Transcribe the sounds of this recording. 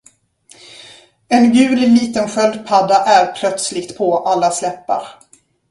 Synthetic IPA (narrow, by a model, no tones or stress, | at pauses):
ɛnɡʉ̟ːlliːt̪ənɧœld̪pʰad̪ːaʔæɾpʰlœt̪slɪɡt̪pʰoʔalːaslɛpːa̰ɾ